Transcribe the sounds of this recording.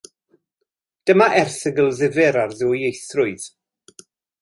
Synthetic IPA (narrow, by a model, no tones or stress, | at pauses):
d̥əmaʔɛrθəɡəlˠðɪvɨɾarðʊːjejθrʊɨð̥